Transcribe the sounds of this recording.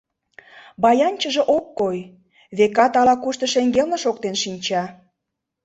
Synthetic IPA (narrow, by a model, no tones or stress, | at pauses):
bɑjɑnʲt͡ɕə̆ʒĕʔokːoj | βekɑt̪ɑlɑkuʃt̪ə̆ʃeŋɡelnə̆ʃok̚t̪enʃinʲt͡ɕɑ